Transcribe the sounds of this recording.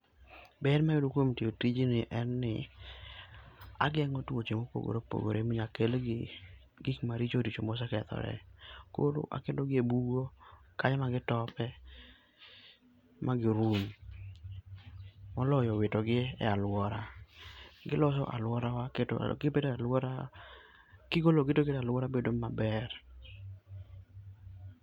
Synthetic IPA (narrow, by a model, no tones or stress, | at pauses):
bɛdmajodukwomtiotid͡ʒinɪʔɛnːɪ | a̰ɡɛŋotuwot͡ʃemopo̰ɡo̰ɾopo̰ɡo̰ɾemiɲakel | ɡikmaɾit͡ʃodit͡ʃomos̬akɛt̪ɔ̰ɾɛ̰ko̰lo̰ʔa̰kendoɡɪebuɡokaɲmaɡɪtɔpɛ | maɡɪɾun | mɔlɔjɔwɪtɔɡɪɛ̰alwɔɾa | ɡɪlɔsɔ̰ʔa̰lwɔɾawaketɡɪpedalɔɾa | kɪɡoloɡɪtoketalwɔɾabedomabɛr